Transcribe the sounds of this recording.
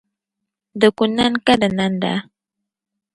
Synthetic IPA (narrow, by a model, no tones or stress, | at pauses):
d̪əkunankad̪anand̪a̰